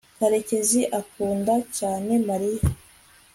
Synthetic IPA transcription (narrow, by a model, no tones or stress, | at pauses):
kaɾece̞ziʔakuːndacaːne̞maɾija